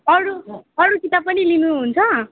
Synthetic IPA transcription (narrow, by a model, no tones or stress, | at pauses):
ʌɽuʌɽut͡sit̪apʌnilinuɦunt͡sʰʌ